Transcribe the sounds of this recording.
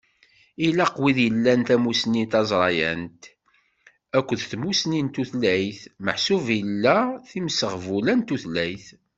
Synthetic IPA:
ilæqwiðjəlːænt̪æmusnit̪ɑzˤɾˤɑjæ̰nt̪ | ækʷːəðθmusnint̪uθlæjθməħsuvəlːæθimsəʁvulænt̪ːuθlæjθ

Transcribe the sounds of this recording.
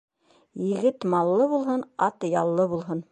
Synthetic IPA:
jɘ̆ɡɘt̪mɑlˠːɤβulˠɦɤnɑt̪jɑlˠːɤβulˠɦɤn

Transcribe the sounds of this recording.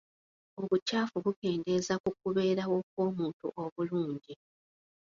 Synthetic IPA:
o̞βucaːfuβuke̞ːnde̞zakuk̚uβe̞ːɾawo̞k̚wo̞ːmuːntṵʔo̞βuluːɲɟi

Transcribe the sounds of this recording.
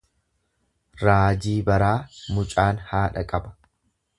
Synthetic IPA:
ɾaːd͡ʒiːbɐɾaːmʊt͡ʃʼaːnhaːᶑɐkʼɐbɐ̥

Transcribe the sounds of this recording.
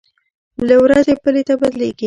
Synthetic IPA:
lawɾazepəlet̪abad̪leɡi

